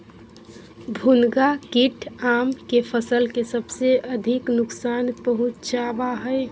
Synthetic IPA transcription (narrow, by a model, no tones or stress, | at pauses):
bʱunɡakiʈʰamkepʰəsəlkesəbseəd̪ʱiknʊksanpəɦut͡ʃt͡ʃabaɦəɪ